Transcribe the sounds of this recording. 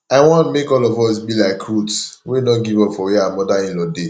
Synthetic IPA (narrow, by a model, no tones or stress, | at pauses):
aɪwɔ̃ntmekɔlɔvɔs̬bilaɪkɹutswedõnɡivɔpfɔwiamɔdaĩnlɔde